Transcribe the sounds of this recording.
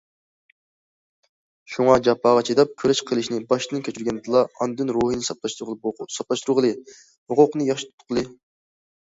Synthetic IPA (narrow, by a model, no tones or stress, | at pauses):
ʃuŋɑd͡ʒɑpʰːɑʁɑt͡ʃʰed̪ɑp̚kʲʰøɾɛʃqʰəlˠɨʃnɪbɑʃdɨnɨnkʲʰøt͡ʃʰyɾɡʲɛnd̪ɨlˠɑɑnd̪ynɾoɦinɨsɑpʃsɑplˠɑʃt̪uɾʁəlˠɨ | hʊqʊqnɨjɑχʃit̪u̥t̪ʰːqʰːəlˠɨ